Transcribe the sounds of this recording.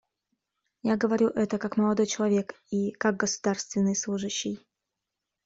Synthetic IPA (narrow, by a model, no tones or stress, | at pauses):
jaɡəvɐɾʲuʔɛt̪əkakməlˠɐd̪ojt͡ɕɪlˠɐvʲe̞k | ikaɡ̚ɡəsʊ̥d̪arst̪vʲɪnːɨjslˠuʐɨɕːɪj